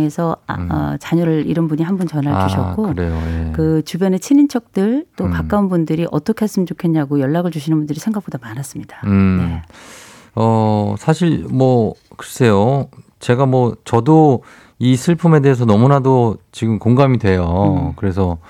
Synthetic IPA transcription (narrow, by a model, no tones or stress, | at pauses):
e̞sʰʌʌ̰t͡ɕaɲoɾɯɭḭɾʌnbuɲiɦanbunt͡ɕʌnɦaɭt͡ɕuɕʰʌ̰k̚kk͈oɾejojekɯt͡ɕubjʌnet͡ɕʰinint͡ɕʰʌk̚t͈ɯɭt͈opak͈aunbundɯɾiʔʌt͈ʌkʰeas͈ɯmt͡ɕokʰenɲaɡojʌɭːaɡɯɭt͡ɕuɕʰinɯnbundɯɾisʰe̞ŋɡak̚podamanas͈ɯmɲid̥aɯne | ʌsʰaɕʰiɭmwʌ | kɯɾʌs͈ʰe̞jo | t͡ɕe̞ɡamwʌt͡ɕʌdo | isʰɯɭpʰume̞de̞ɦes̬ʰʌnʌmunadot͡ɕiɡɯmkoŋɡamidwe̞jokɯɾe̞sʰʌ